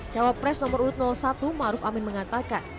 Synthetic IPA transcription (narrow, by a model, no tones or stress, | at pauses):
d͡ʒ̥awapːɾɛsnɔməɾuɾʊt̪̚nɔlsat̪umaɾʊfamɪnməŋat̪akan